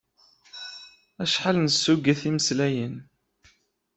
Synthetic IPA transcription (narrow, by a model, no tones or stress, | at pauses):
æʃħalnəsːuɡæθiməslæjən